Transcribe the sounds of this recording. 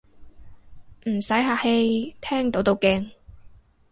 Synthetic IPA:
m̩˨˩sɐ˨˥jɦaː˧he˧jt̪ʰɛː˥ŋt̪o˨˥wt̪o˨˧wkɛː˧ŋ

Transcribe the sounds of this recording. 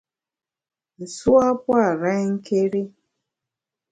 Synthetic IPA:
i˨su˦a˦pwa˦˨ɾa˦i˦ŋ̩˦ke˦ɾi˦

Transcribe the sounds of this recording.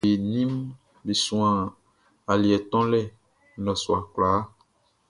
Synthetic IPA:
e˨nĩ˦m | bi˨sũ˨ã˨ | a˨li˨ɛ˨t̪ɔ̃˦lɛ˦˨ | nɔ̃˨su˨a˨kla˨˦

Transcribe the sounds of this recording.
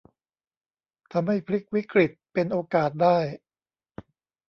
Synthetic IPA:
t̪ʰa˧mɦa˥˩jpʰɾi˦˥k̚wi˦˥kɾi˨˩t̪̚pe˧nʔoː˧kaː˨˩t̪̚daː˥˩j

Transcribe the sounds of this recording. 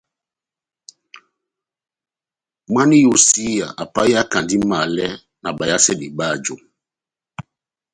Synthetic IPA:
ma˦ni˦jo˨si˦ja˨ʔa˨pa˦ja˦ka˨ndi˦ma˨lɛ˦ | na˨ɓa˨ja˦sɛ˦di˨ɓa˦˨d͡ʒo˨

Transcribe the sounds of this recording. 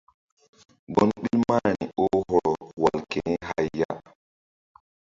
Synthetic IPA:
ɡɔ˦nɓi˦lmaː˦nḭ˨ʔɔ˦ɦɔ˦ɾɔ˨wa˨lke˨nɛ˦ɦa˦jːa̰˦

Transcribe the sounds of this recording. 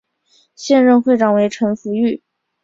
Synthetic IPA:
ɕjɛ˥˧nɻə˥˧nxwe˥˩ɪʈ͡ʂɑ˨˩ŋwe˧˥ɪʈ͡ʂʰɤ˧˥ŋfu˧˥y˥˩

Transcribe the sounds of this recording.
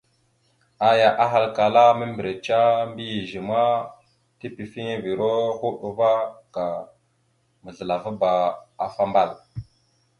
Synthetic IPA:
a˨ja˨ʔa˦ɦa˨lka˨la˦mə˦mbi˨ɾe˨t͡ʃa˦mbi˦ji˨ʒi˨ma˦ | ti˦pi˨fi˦ŋ˦vi˨ɾo˦hu˦ɗu˨˦va˦ka˨ | mə˨ɮə˨la˨va˦ba˨a˨fa˦mba˦˨l

